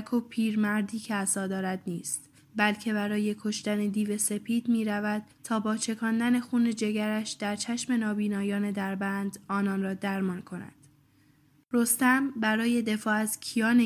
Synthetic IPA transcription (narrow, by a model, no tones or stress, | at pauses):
kʰopʰiːɾmæɾd̪iːcʰe̞æsɒːd̪ɒːɾæd̪niːst̪ | bælcʰe̞βæɾɒːje̞kʰo̞ʃt̪æne̞d̪iːve̞se̞pʰiːd̪miːɾævæd̪̥̚t̪ʰːɒːbɒːt͡ʃʰe̞kʰɒːnd̪æne̞xuːne̞d͡ʒe̞ɡæɾæʃd̪̥æɾt͡ʃʰæʃme̞nɒːbiːnɒːjɒːne̞d̪æɾbænd̪ɒːnɒːnrɒːd̪æɾmɒːnkʰo̞næ̰d̪̥ | ɾo̞st̪æmbæɾɒːje̞d̪e̞fɒːæz̥cʲʰijɒːne